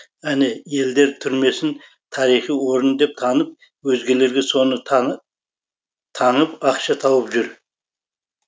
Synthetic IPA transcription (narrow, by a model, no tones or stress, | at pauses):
æneje̞ld̪e̞ɾt̪ʰʏɾme̞sɪn | t̪ʰɑɾijχijwo̞ɾənd̪e̞p̚t̪ʰɑnəp̚ | wɵzɡʲe̞le̞ɾɡʲe̞so̞nə | t̪ʰɑɴəpɑqʃɑt̪ʰɑwəpʒʏɾ